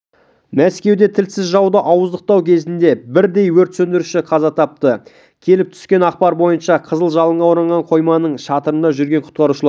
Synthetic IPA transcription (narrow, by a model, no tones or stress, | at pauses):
mæskʲe̞wd̪e̞t̪ʰɪlsɪzʒɑwd̪əʔɑwəzd̪əq̚t̪ɑwkʲʰe̞zɪnd̪e̞bɪɾd̪e̞jwɵɾt̪sɵnd̪ɪɾʉʃɪqʰɑzɑt̪ʰɑp̚t̪ə | kʲʰe̞lɪp̚t̪ʰʏ̥skʲe̞nɑq̚pɑɾbo̞jənʃɑqʰəzəlˠʒɑlˠəɴʁɑwoɾɑɴʁɑɴqʰo̞jmɑnəɴʃɑt̪əɾənd̪ɑʒʏɾɡʲe̞ɴqʰʊ̥t̪̚qɑɾuʃəlˠɑɾ